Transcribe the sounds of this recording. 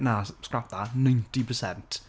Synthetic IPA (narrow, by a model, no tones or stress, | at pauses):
naskɹap̚ðənãj̃ntipʰəsɛ̃nt